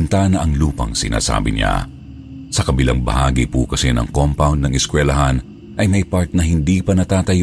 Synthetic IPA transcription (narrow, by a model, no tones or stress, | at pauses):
nt̪anɐʔɐŋluːpɐ̰ŋsɪ̰na̰ːsa̰ːbɪɲa̰ | sɐkɐbɪla̰ŋbɐ̰haːɡipukɐsɛnɐ̰ŋkompawnd̪nɐŋɛskwɛlɐɦan | ʔɐjmɐjpaɹt̪̚nɐhɪnd̪iːpɐnɐt̪aːt̪ɐj